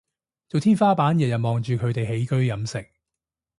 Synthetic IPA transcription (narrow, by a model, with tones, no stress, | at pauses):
t͡so˨wt̪ʰiː˥nfaː˥paː˨˥njɐ˨t̚jɐ˨˩mɔː˨ŋt͡ʃyː˨kʰɵ˨˧ɥt̪e˨jhe˨˥jkɵ˥ɥjɐ˨˧˥msɪ˨k̚